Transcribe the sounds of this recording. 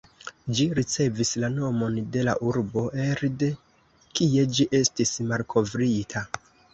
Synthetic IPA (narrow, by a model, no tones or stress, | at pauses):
d͡ʒiɾit͡se̞vislano̞mo̞nde̞la̰ʔuɾbo̞ʔe̞ɾde̞ | kie̞d͡ʒiʔe̞stismalkʰo̞vɾitʰa